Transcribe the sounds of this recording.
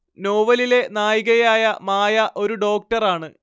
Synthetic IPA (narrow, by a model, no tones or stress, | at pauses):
no̞ːʋɐlile̞naːjiɣɐjaːjɐmaːjɐʔo̞ɾuɖo̞ːk̚ʈɐraːɳɨ